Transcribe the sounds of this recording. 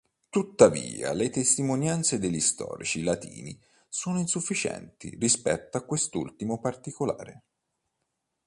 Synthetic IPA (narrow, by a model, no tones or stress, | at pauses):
t̪ut̪ːaviːa̰let̪est̪imonjant̪sed̪eʎːist̪ɔ̰ːɾit͡ʃilat̪ḭːnḭ | soːnoinsufːit͡ʃɛ̰nt̪ḭrispɛ̰t̪ːoakːwest̪ṵlt̪imopart̪ikolaːɾe